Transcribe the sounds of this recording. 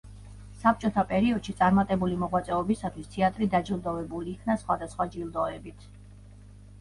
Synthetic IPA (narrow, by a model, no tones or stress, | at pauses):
sap̚ʰt͡ʃʼɔt̪ʰapʼɛɾiɔd̪̥ʃit̪sʼaɾmat̪ʼɛbulimɔʁwat̪sʼɛɔbisat̪ʰwist̪ʰɛat̪ʼɾid̪ad͡ʒilˠd̪ɔvɛbuliːkʰnasχwad̪asχwad͡ʒilˠd̪ɔɛbit̪ʰ